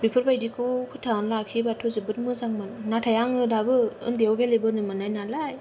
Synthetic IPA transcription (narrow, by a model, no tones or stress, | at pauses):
bipʰɯɾbajdikʰɯkʰɯtʰanlakʰibatʰuzɯbɯt̚mɯzaŋmɯnnatʰajaŋɯdabɯɯ̰ŋdiawɡelebɯnɯmɯnajnalaj